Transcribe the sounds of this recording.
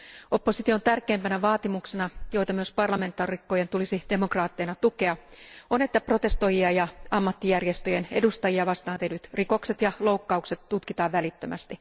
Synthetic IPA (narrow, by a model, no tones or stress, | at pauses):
ʔo̞pːosit̪iont̪ærkˑeːmpænæʋɑːt̪imuksenɑjo̞jt̪ɑmyøspɑrlɑme̞nt̪ːˑɑːrikːojent̪ulisid̥emokrɑːt̪ːenɑt̪uke̞ɑonet̪ːæpro̞t̪e̞st̪o̞jiɑjɑɑmːɑt̪ːijærjest̪øjene̞dust̪ɑjiɑʋɑst̪ɑːnt̪enyt̪riko̞kset̪jɑloukːɑukset̪ːut̪kit̪ɑːʋʋælit̪ːømʔæ̰st̪i